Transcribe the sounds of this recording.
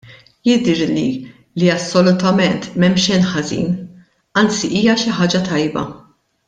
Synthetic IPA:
jɪd̪ɛɾlḭ | liɐsːɔlʊt̪ɐmɛnt̪mɛmːʃɛnħɐzḭːn | ɐnt͡siʔiːjɐʃɪħɐːd͡ʒɐt̪ɐjbɐ̰

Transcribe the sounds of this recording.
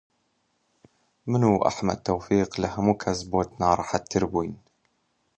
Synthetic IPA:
mənuʔa̰ħma̰d̪̚t̪ːawfiːqlahmukʰazbot̪nɑːɾˤħat̪ːəɾbin

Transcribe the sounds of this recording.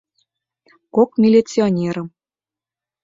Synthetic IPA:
kokmʲilʲet͡sʲionʲeɾə̆m

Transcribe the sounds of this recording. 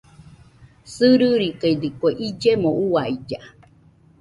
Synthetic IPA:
sɨɾɯɾikajd̪ikoeʔid͡ʒemouaid͡ʒa

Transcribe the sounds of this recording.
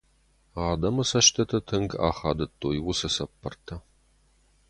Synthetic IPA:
ɑːdɐmɐsɐʃt̪ʰɐtʰɐtʰɨŋɡa̰ːχaːdɐtʰʼːoːjɪwʊsɐsɐpʰːɐrtʰːɐ

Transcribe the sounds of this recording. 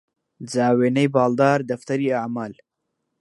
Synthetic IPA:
zɑːwenəjbɑld̪ɑːɾd̪aft̪aɾiaʕmɑːl

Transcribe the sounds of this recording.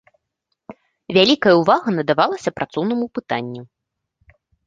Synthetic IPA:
vʲalʲikɐjɐuvaɣɐnɐd̪avalˠɐsʲɐpɾʔat̪sɔwnɐmupɨt̪anʲːu

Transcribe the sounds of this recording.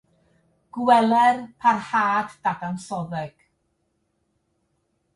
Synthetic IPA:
ɡ̥wɛlˠɛrpʰarhaːdːadansɔðɛɡ̥

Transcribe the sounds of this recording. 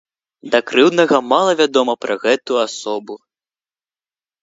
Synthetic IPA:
d̪ɐkɾɨwd̪nɐɣɐmalˠɐvʲad̪ɔmɐpɾɐɣɛt̪uasɔbu

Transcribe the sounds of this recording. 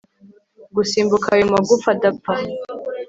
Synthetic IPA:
ɡusiːmbukʰaːjumaɡufadapa

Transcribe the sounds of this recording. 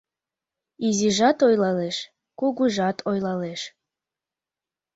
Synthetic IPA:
iziʒɑt̪ojlɑleʃ | kuɣuʒɑt̪ʰojlɑleʃ

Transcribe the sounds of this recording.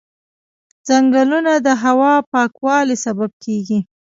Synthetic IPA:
d͡zaŋɡəlunad̪əɦawɑpɑkwɑlesabab̚kʰeɡi

